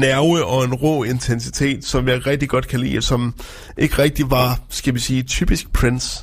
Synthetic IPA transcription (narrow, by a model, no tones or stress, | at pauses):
næɐəʔɒ̽e̝nʁɔ̰ːe̝nt͡sʰensi̥t͡sʰe̝̰ːd̥sɒ̽mjɑ̈ɪʁɛɡ̥̚d̥iɡ̥ɒ̽d̥̚kʰælḭːlsɒ̽m | ʔe̝ɡ̥ʁɛɡ̥̚d̥iʋɑ̈sɡ̥æʋisiːt͡sʰy̰ːb̥isɡ̥̚pʰʁens